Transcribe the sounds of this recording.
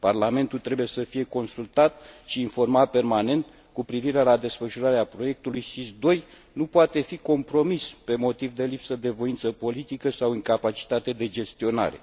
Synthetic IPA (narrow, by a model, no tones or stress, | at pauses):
parlame̞nt̪ult̪ɾe̞buje̞səfije̞ko̞nsult̪at̪ʃiːnfo̞rmape̞rmane̞nt̪ | kupɾiviɾe̞lad̪e̞sfəʃuɾaɾeapɾo̞je̞k̚t̪ulujsisd̪o̞j | nupoat̪e̞fiko̞mpɾo̞mispe̞mo̞t̪ivd̪e̞lipsəd̪e̞vo̞int̪səpo̞lit̪ikəsawɨŋkapat͡ʃi̥t̪at̪e̞d̪e̞d͡ʒe̞st̪io̞na̰ɾe̞̰